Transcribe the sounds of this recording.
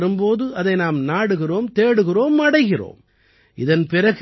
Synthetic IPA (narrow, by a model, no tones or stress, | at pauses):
ɾɯmpoːðɯɐðɐɪnaːmnaːɽɯɣɪroːmt̪eːɽɯɣɪroːmɐɽɐɪɣɪro̰ːm | ʔɪðɐnpɪɾɐɣ